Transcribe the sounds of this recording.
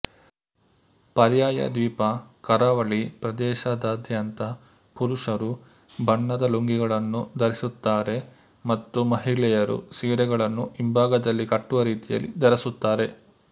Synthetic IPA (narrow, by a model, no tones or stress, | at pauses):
pɐɾjaːjɐ̰d̪iːpɐkɐɾaːʋɐɭipɾɐd̪ɛːʃɐd̪ɐːd̪ʱjɐnt̪ɐ | puɾuʂɐɾu | bʱɐɳːɐd̪ɐloŋɡiɡɐɭɐnːud̪ɐɾisut̪ːaːɾe̞ | mɐt̪ːumɐɦiɭɛjɐɾṵsiːɾɛɡɐɭɐnːuʔimbʱaːɡɐd̪ɐlːikɐʈːuʋɐɾiːt̪ijɐ̰lːḭd̪ɐɾɐsut̪ːaːɾe̞